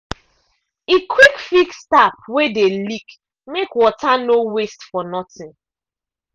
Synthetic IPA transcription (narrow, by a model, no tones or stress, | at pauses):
ikʰwikfikstapwedelik | mekwɔtanowestfɔnɔtɪ̃n